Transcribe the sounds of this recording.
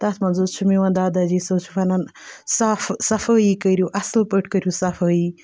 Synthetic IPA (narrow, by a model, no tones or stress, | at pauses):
t̪ɐt̪ʰmɐnzut͡ʃʰumiwɐnd̪aːd̪ad͡ʒisɐːt͡ʃʰu̥fɐnɐnsafsɐfəːjikəɾjuʔɐslpəʈʰkəɾjusɐfəːjiː